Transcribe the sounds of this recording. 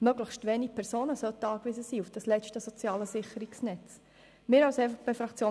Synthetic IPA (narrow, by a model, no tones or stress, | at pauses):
møɡləχʃtʋeːnipʰɛɾzoːnəsœlt̪əɑːkʋɪzəsiːufd̥ɑslɛt͡ʃtəsɔt͡sjɑːləsɪχəɾiksnɛt͡s | mɪːɾalsɛfχb̥efɾɑkt͡sjoː